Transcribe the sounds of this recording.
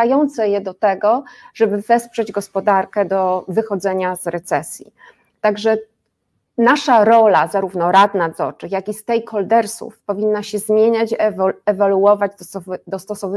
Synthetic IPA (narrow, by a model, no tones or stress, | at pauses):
ajɔnt̪sɛjɛd̪ɔt̪ɛɡɔʐɛbɘvɛspʂɛd͡ʑɡɔspɔd̪aɾkɛd̪ɔvɘxɔd̪zɛɲazɾɛt̪sɛsʲjḭ | t̪aɡʐɛ | naʂaɾɔlazaɾuvnɔɾad̪nad̪zɔɾt͡ʂɘxjakʲist̪ɛjkʰɔld̪ɛɾsṵfpɔvʲinːaɕɛzmʲjeɲat͡ɕɛvaluɔvad͡ʑd̪ɔɔvd̪ɔst̪ɔsɔvɘ